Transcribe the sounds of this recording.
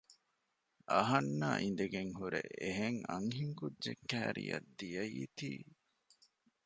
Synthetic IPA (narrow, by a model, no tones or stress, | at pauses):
ɐɦɐnːa̰ːʔin̆d̪eɡeŋɦuɾeeɦeŋɐŋɦiŋkudːd͡ʒekːæːɾḭjɐd̪ːijɐjit̪iː